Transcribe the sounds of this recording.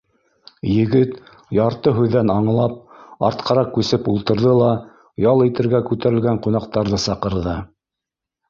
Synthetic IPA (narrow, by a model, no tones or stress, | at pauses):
jɘ̆ɡɘt̪ | jɑɾt̪ɤɦʉðːænɑɴlˠɑp̚ɑ̰ɾt̪qʰɑɾɑkʉsɘpulˠt̪ɤ̆ɾðɤlˠɑ | jɑlˠit̪ɘ̆ɾɡækʉt̪æɾɘ̆lɡæɴqunɑqt̪ɑɾðɤsɑqɤ̆ɾðɤ